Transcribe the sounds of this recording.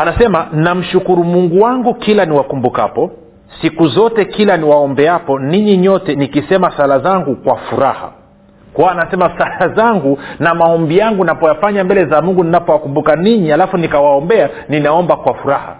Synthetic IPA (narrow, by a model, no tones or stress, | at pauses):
anasɛmanam̩ʃukuɾumuŋɡuwaŋɡukilaniwakumbuka̰pɔ | sikuzɔtɛkilaniwaɔmbɛapɔniɲiɲɔtɛnikisɛmasalazaŋɡukwafuɾa̰ha̰ | kuwaːnasɛmasalazaŋɡunamaɔmbijaŋɡunapɔjafaɲambɛlɛzamuŋɡuninapɔwakumbukaniɲihalafunikawaɔmbɛa | ninaɔmbakwafuɾaha̰